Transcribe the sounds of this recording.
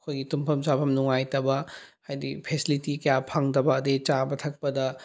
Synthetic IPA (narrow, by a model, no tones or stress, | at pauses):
ɐkʰojɡitumpʰɐmt͡ʃapʰɐmnuŋajtɐbɐhajdipʰesilitikɐjapʰaŋdɐbɐːdet͡ʃabɐtʰɐk̚pɐdɐ